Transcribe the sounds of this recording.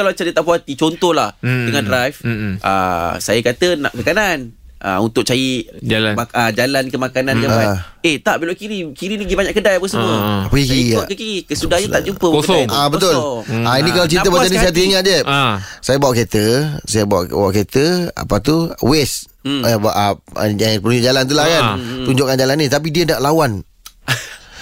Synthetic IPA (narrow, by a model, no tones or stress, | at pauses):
kalamat͡ʃadiət̪aʔpuat̪it͡ʃont̪ɔhlahdəŋadɾajfʔa̰sajakat̪əna̰ʔkəkanana̰unt̪ʊk̚t͡ʃajid͡ʒalaaad͡ʒalankəmakanãnəaeht̪aʔbeloʔkiɾikiɾiniɡibaɲãʔkədajapəsəmmuəpəikiakəkiɾikəsudahɲaaʔd͡ʒumpəkajabət̪olainik̬alat͡ʃɾit̪əbat͡ʃanisaat̪̬uiŋat̪̚d͡ʒɛsajabawaʔket̪əsajabawa̰ʔwa̰ʔket̪əa̰pat̪uwɛsbaʔa̰apəɾuɲd͡ʒʊʔd͡ʒalant̪̬ulahkant̪uɲd͡ʒʊʔkand͡ʒalanːĩt̪ap̬idiənaʔlawan